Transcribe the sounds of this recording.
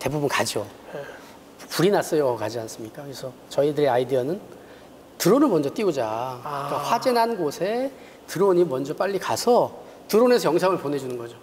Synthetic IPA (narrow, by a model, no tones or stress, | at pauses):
te̞bubunkad͡ʑio | puɾinas͈ʌjokad͡ʑians͈ɯmɲik͈akɯɾesʰʌt͡ɕʌidɯɾeaidiʌnɯn | tɯɾonɯɭmʌnd͡ʑʌt͈iud͡ʑaik͈aɸwad͡ʑenɦanɡosʰe̞ | tɯɾoɲimʌnd͡ʑʌp͈aʎːikasʰʌ | tɯɾone̞sʰʌjʌŋsʰaŋɯɭpone̞d͡ʑunɯnɡʌd͡ʑo